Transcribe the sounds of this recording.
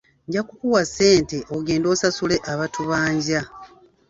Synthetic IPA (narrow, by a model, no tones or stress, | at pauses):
ɲɟakukuwase̞ːnte̞ʔoɡe̞ːndo̞ːsasule̞ʔaβatuβaːɲɟa